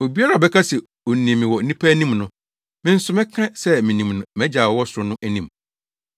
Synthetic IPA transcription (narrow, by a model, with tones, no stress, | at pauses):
o˨bi˦a˦ɾa˨ɔ˨bɛ˦kʰa˦sɛ˨ | o˨nĩ˨mɪ̃˨wɔ˨n̩˦nĩ˦pʰæ˦nĩ˦mnʊ̃˦ | mɪ̃˦n̩˦sʊ˦mɪ̃˦kʰã˦sɛ˦mɪ̃˨nĩ˨mnʊ̃˨mɛ̃˦d͡ʑaː˨wɔ˨˦wɔ˦sʊ˨ɾʊ˨˦nʊ̃˦ʔæ˦nĩ˨m